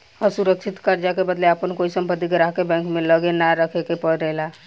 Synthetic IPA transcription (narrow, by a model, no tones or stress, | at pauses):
ɔɾsuɾəkt͡ʃʰit̪kəɾd͡ʒakebəd̪leəpənkoisəmpəd̪iɡəɾaɦkebɛ̃ŋkmẽləɡenaɾəkʰekepəɽɾəɦla